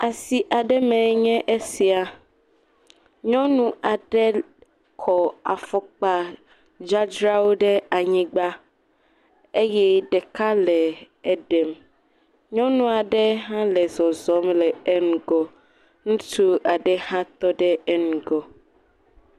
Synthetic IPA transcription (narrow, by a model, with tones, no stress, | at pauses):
a˨si˨ʔa˨ɖɛ˦mɛ̃˨˦ɲɛ̃˦ʔe˦si˨a˨ | ɲɔ̃˦nũ˦a˨ɖɛ˦ | kʰɔ˨a˨fɔ˨k͡pa˨ | d͡ʒa˦d͡ʒɾa˦wo˦ɖɛ˦a˨ɲĩ˦ɡ͡ba˦ | e˦jɛ˦ɖɛ˨ka˦lɛ˨ | ɛ˦ɖɛ˨m | ɲɔ̃˦nũ˦a˨ɖɛ˦ɦã˦lɛ˨zɔ˨zɔ˨˦mlɛ˨ɛ˦nũ˨ɡɔ˨ | nũ˦t̪u˦a˨ɖɛ˦hã˦t̪ɔ˦ɖɛ˦ɛ˦nũ˨ɡɔ˨